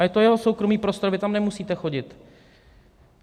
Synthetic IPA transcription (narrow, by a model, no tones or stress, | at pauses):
ajɛt̪o̞jɛɦo̞so̞wkɾo̞miːpɾo̞st̪oɾvɪt̪amnɛmusiːt̪ɛxo̞ɟɪt̪